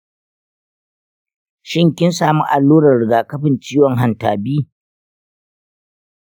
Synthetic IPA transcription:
ʃɪ˦ŋkʲɪ˦nsaː˨mu˦ʔa˨lːuː˦ɾɐ˨rɽɪ˨ɡaː˨kɐ˦ɸɪ˨nt͡ʃiː˦wɔ˨ŋɦa˨nta̰ː˨biː˦

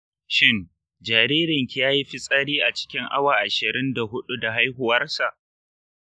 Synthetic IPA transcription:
ʃɪ˦˨ŋ | d͡ʒaː˨ɾiː˦ɾɪ˨ŋkʲi˦jaː˦ji˦ɸɪ˦sʼa˦ɽiː˦ʔa˨t͡ʃɪ̥˦kʲɪ˦ŋʔa̰˦waː˨ʔa˨ʃɪ˨ɾɪ˦nda˨ɦʊ˦ɗu˦da˨ɦa˦jɦʊ˨wɐ˦rsa˨ʔ

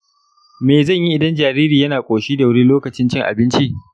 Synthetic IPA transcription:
meː˨zɐ˦˨ɲji˦ʔɪ˨dɐ˦nd͡ʒaː˨ɾiː˦ɾiː˨jɐ˦naː˨kʷʼoː˨ʃiː˦da˨wɐ˦ni˦loː˦kɐ˨t͡ʃɪ˦nt͡ʃɪ˦ŋʔa̰˨bɪ˦nt͡ʃi˦ʔ

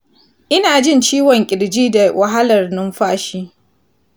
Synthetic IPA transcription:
ʔɪ˦naː˨d͡ʒɪ˦˨nt͡ʃiː˦wɔ˨ŋkʲʼɪ˨ɽd͡ʒiː˦da˨wʔa˨ɦa˦lɐ˨rnʊ˦mɸaː˦ʃiː˦

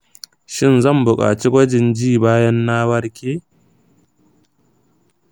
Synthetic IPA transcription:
ʃɪ˦˨nzɐ˦˨mbʊ˨kʼa̰ː˨t͡ʃi˦ɡʷɐ˦d͡ʒɪ˨nd͡ʒiː˦˨baː˦jɐ˦nːaː˦wɐ˦ɽkʲeː˦

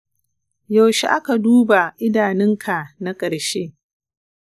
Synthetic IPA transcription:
ja˨wʃe˨ʔa˦ka˨duː˦ba˨ʔɪ˦daː˨nɪ˦ŋkʰa˨na˦kʼɐ˨ɽʃeː˦

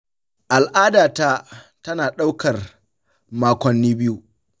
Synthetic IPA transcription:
ʔa˨lʔaː˦daː˨ta˦ | tɐ˦naː˨ɗa˦wkɐ˨r | maː˦kʷɐ˨nːiː˦bɪ˦ju˦

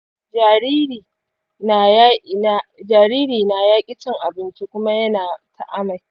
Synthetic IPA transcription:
d͡ʒa˨ɾiː˦ɾiː˨ | na˨ja˦na˨d͡ʒaː˨ɾiː˦ɾiː˨na˨jaː˦kʲʼɪ˦t͡ʃɪ˦ŋʔa˨bɪ˦nt͡ʃi˦kʷʊ˦ma˦jɐ˦naː˨tʰa̰˨ʔa˦ma˨j

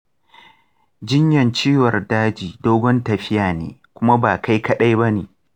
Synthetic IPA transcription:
d͡ʒɪ˦ɲjɐ˨nt͡ʃiː˦wɐ˨rdaː˦d͡ʒiː˨doː˦ɡʷɔ˦ntɐ˨ɸɪ˦jaː˨nḛː˨kʷʊ˦ma˦baː˨kʰa˦jkɐ˦ɗa˦jbɐ˦neː˨

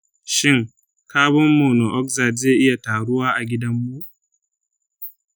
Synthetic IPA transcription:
ʃɪ˦ŋ | kaː˦bʊ˦mːoː˨no˨ʔɔ˦kza˨dzeː˦˨ʔɪ˦ja˨taː˨ɽʊ˦waː˦ʔa˨ɡʲɪ˦dɐ˦mːu˦

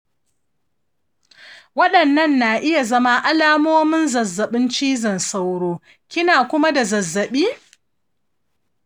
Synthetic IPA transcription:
wɐ˦ɗɐ˨nːɐ˦˨nːa˨ʔɪ˦ja˨zɐ˦ma˦ʔa˦laː˦moː˦mɪ˦nzɐ˨zːɐ˨ɓɪ˦nt͡ʃiː˦zɐ˨nsa˦wɽoː˦ | kʲɪ˦naː˨kʷʊ˦ma˦da˨zɐ˨zːɐ˨ɓiː˦

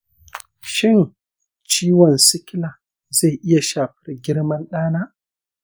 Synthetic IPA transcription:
ʃɪ˦˨n | t͡ʃiː˦wɔ˨nsɪ˦kʲɪ˦laː˨ | za˦˨jʔɪ˦ja˨ʃaː˨ɸɐ̥˦rɡʲɪ˦ɽmɐ˦nɗaː˦naː˦ʔ

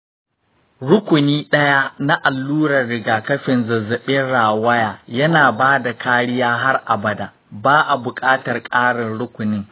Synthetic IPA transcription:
ɽʊ˦kʷʊ˨niː˦ɗɐ˦ja˦na˦ʔa˨lːuː˦ɽɐ˨rɽɪ˨ɡaː˨kɐ˦ɸɪ˨nzɐ˨zɐ˨ɓɪ˦nɽaː˨wɐ˦jaː˨jɐ˦naː˨baː˦da˨kʰaː˦ɽɪ˦jaː˦ɦa˦rʔa˨bɐ˨da˨ | baː˦ʔa˨bʊ˨kʼaː˦tɐ˨rkʼaː˦ɽɪ˨nɽʊ˦kʷʊ˨nɪ˦ŋ

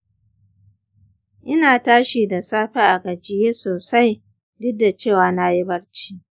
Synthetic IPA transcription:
ʔɪ˦naː˨taː˦ʃiː˨da˨saː˦ɸe˦ʔa˨ɡɐ˨d͡ʒɪ˦jeː˦soː˨sa˦j | dɪ˦da˨t͡ʃeː˦˨waː˨na˦ji˦bɐ˦ɽt͡ʃi̥ː˦

